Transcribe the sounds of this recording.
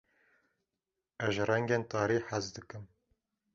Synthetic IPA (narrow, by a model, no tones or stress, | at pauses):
ɛʒrɛŋɡeːnt̪ɑːɾiːħazd̪ɨkɨm